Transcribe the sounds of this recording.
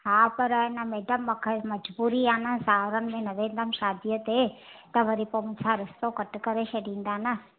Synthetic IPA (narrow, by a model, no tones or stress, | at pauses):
ɦaːpɐɾɪnəmeːɖəmːɐkʰəmɐd͡ʒbuːɾiaːnəsaːɾənɪ̆mẽnɐʋẽːnd̪əmʃaːd̪ijət̪et̪ɐʋɐɾipomʊt͡ʃʰaɾɪst̪okɐʈkɐɾet͡ʃʰɐɖĩːn̆d̪aːnə